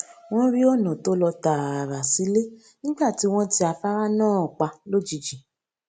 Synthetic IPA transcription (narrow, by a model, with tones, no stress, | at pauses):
w̃ɔ̃˦ɾi˦o˦˨nã˨to˦lɔ˧ta˨a˨ɾa˨si˨˦le˦ | nĩ˦ɡ͡ba˦˨ti˨˦w̃ɔ̃˦ti˦a˧fa˦ɾa˦nãː˦˨k͡pa˧lo˦˨d͡ʒi˨d͡ʒĩ˨